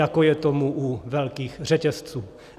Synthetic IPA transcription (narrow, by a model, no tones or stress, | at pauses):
akojɛt̪omuʔuvɛlkiːxr̝ɛcɛst͡suː